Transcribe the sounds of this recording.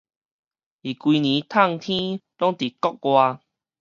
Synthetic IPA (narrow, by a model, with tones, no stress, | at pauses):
i˨˩kwi˧nĩ˨˦t̪ʰa˥˧˨ŋt̪ʰĩ˦lɔ˦ŋt̪i˨˩kɔ˦k̚kwa˧